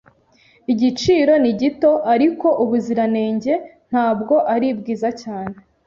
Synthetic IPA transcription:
iɟit͡ʃiːɾo̞niɟito̞ʔaɾiko̞ʔuβuziɾane̞ːɲɟe̞n̥haːbɡo̞ʔaɾib̚ɡiːzacaːne

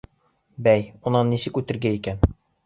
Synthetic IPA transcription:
bæjunɑnːisɘkʉt̪ɘ̆ɾɡæikæn

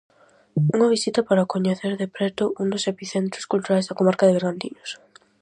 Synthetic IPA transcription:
uŋɐβisit̪ɐpaɾɐkoɲeθeɾðepɾɛt̪ʊuŋd̪osepiθent̪ɾʊskult̪uɾajzðɐkomaɾkɐðɪβeɾɣand̪ḭɲos

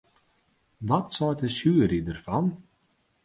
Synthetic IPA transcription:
ʋɔtsɔjtəsyːəɾidərfɔn

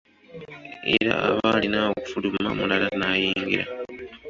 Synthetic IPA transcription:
ḛɾa̰a̰βalinaoku̥fulumma̰mulalanaːjiːŋɡiɾa̰

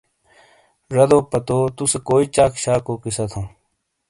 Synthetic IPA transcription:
ɾɐd̪oːpɐt̪oːt̪usekoːit͡ɕaːkʃaːkoːkɪsət̪ʰõː

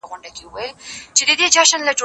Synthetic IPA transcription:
ɣʊɳɖakeuwəjlt͡ʃed̪əd̪ed͡ʒaʃənlad͡ʒo

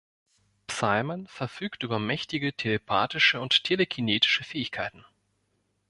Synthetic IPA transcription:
psaɪlmənfɛɐfyːktʔyːbɐmɛçtɪɡətʰelepʰaːtɪʃəʊnttʰelekʰineːtɪ̥ʃəfɛːɪçkʰaɪtn̩

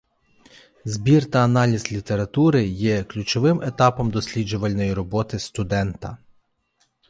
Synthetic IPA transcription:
zbʲirt̪ɐːnɑlʲizʲlʲit̪eɾɐt̪uɾɪjɛklʲʊt͡ʃɔʋɪmet̪ɑpɔmd̪ɔsʲlʲid͡ʒʊʋɐlʲnɔjiɾɔbɔt̪ɪst̪ʊd̪ɛnt̪ɐ

